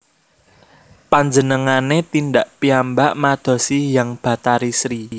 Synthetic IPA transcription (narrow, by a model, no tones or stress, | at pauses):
paɲd͡ʒənəŋanet̪ind̪aʔpiambaʔmad̪̥ɔ̤sijaŋb̥ä̤t̪aɾisɾi